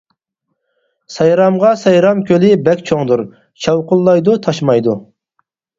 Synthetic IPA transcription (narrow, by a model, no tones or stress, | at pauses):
sɑjɾɑmʁɑsɑjɾɑmkʲʰølɪbɛkʲt͡ʃʰoŋd̪uɾ | ʃʰɑwqʊlˠːɑjd̪ut̪ʰɑʃmɑjd̪u